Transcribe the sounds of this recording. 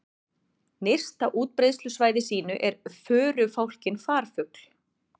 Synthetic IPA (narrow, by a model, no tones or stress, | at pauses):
ner̥st̪aʔuːt̪̚pɾejðst̪lʏsvaːjðɪsiːnʏʔɛɾfœːɾʏfawl̥cɪnfaːɾ̥fʏkl̥